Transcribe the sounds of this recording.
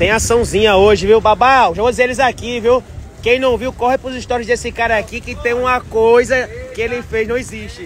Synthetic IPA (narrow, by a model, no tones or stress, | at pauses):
t̪ẽj̃asɐ̃w̃zĩɲɐoʒɪviwbabaoʒavod͡ʒizeelɪzakiviw | kẽj̃nɐ̃w̃viwkɔhɪpɾʊziʃt̪ɔɾjʊzd̪esɪkaɾɐakikɪt̪ẽj̃ũmɐkojzɐkɪelɪfejznɐ̃w̃eziʃt͡ʃɪ